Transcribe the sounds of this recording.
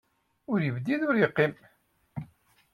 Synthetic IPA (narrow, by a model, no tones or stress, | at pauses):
ʊɾjəvd̪iðʊɾjəqːim